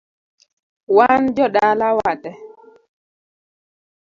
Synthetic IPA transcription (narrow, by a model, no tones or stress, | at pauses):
waːnd͡ʒɔɗaːlawatɛ